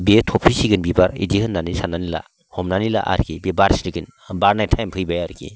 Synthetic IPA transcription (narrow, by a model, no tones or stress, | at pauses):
betʰɔpʰɾisiɡɯnbibaɾḭdihɯnːanisananila̰ | hɔmnanila̰ʔa̰ɾkibebaɾsiɾiɡɯn | baɾnajtʰajmpʰɯjbajaɾɡḭ